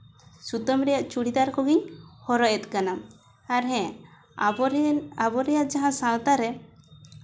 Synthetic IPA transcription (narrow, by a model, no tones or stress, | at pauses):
sut̪əmɾɛjaʔt͡ʃuɽid̪aɾkɔɡiɲhɔɾɔʔjɛt̪kanam | aɾɦɛ̃ | abɔɾɛjaʔd͡ʒaɦãsãlt̪aɾɛ